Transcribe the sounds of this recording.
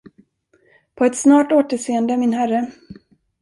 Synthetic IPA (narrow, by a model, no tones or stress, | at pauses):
pʰɔɛt̪snɑːʈoːt̪əʂeːənd̪əæmɪnɦærə